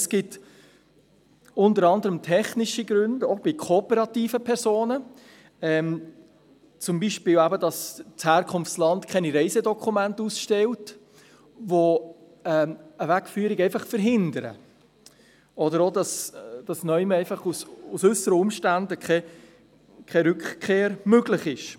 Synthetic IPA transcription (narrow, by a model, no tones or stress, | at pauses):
sɡ̥ɪt | ʊntəɾɑndəɾəmtʰɛχnɪʃiɡɾʉndob̥ɪkʰoːpəɾɑt̪iːfəpʰɛɾsoːnə | ɛːm | t͡sʊmbiʃpɪːlwæbədɑst͡shæːɾkʰʊnft͡slɑndkʰɛniɾɛɪzɛdɔkʰumæntusʃtɛlt | ʋo | ɛəvækfyːɾɪɡɛɪfɑχfəɾɦɪndəɾə̰ | ɔdəɾodɑsd̥ɑsnœʏməɛɪfɑχususʉsəɾəʊmʃtændəkχɛ | kʰχɛɾʉkχkʰːeːɾmøɡlɪχɪʃ